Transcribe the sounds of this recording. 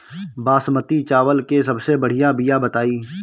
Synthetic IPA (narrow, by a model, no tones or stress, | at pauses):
baːsmət̪it͡ʃaːʋəlkes̬ɐbsebɐɽ̤ijabijabət̪aːiː